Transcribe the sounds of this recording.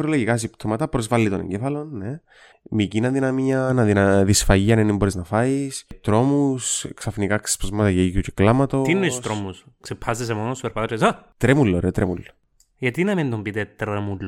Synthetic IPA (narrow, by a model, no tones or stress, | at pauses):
ɾoloʝikɐs̬ipt̪ʰomɐt̪ɐpɾozvɐlːit̪onḛɲɟefɐlo̞nːe | micinɐðinɐmiɐnɐðinɐðisfɐjiɐnenimboɾiznɐfɐist̪ɾo̞musksɐfnikakse̥spozmɐt̪ɐʝeijuceklɐmɐt̪ot̪inːeist̪ɾomusksepʰːɐsis̬emonost̪ueɾpɐt̪ɐtsɐt̪ɾemulːoɾeot̪ɾʔemulːo | ʝɐt̪inɐmind̪ombit̪et̪ɾemulː